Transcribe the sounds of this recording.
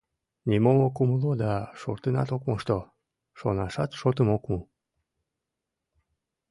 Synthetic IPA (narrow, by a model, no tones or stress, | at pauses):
nʲimomokuməlod̪ɑʃort̪ənɑ̰t̪okmoʃt̪o | ʃonɑʃɑt̪ʃot̪əmokmu